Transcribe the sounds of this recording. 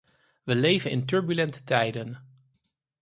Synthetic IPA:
ʋəlejvənʔɪ̰ntɵɹbylɛntə̥tɛjdən

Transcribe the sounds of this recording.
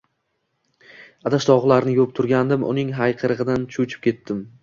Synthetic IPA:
ad̪aʃd̪ɒʁlaɾnɪjop̚t̪ʰʊɾɡʲand̪ɪmʔʊ̰nɪŋɦajqʰɨɾɨʁɨd̪ant͡ʃʰut͡ʃʰɪ̥p̚kʲʰe̞t̪ːɪm

